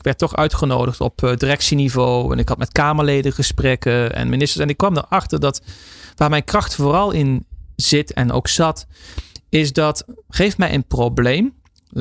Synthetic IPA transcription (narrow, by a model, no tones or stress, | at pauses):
kʋɛɹtːɔχœ̰ɥtχəno̰wdəχtɔ̰pdirɛksinivowɛ̰nɪkɦɑtmɛtkaːməɹlejdəχəsprɛkəɛ̰nmɪnɪstəɹsɛnɪkːʋɑmdə̰ɹɑχtəɹdɑtʋaːɹmɛjnkrɑχtfʊːrɑlˠɪnz̥ɪtɛ̰no̰wksɑt | ɪsdɑtχejftmɛjʔənprowblejm